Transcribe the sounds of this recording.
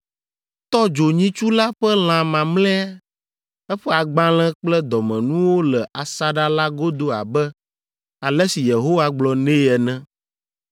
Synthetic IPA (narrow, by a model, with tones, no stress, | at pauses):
t̪ɔ˦d͡ʒo˨ɲĩ˦t͡ʃu˦la˦ɸɛ˦l̃ã˨mã˨mlɛ̃˦a˦ | ɛ˦ɸɛ˦a˨ɡ͡bã˦l̃ɛ̃˦k͡plɛ˦d̪ɔ˨mɛ̃˨nũ˦wo˦lɛ˨ʔa˨sa˦ɖa˦la˦ɡo˦d̪o˦a̰˨bɛ˦ | a˨lɛ˦si˨je˨ɦo˦wa˦ɡ͡blɔ˨nẽ˦ɛ˨nɛ̃˦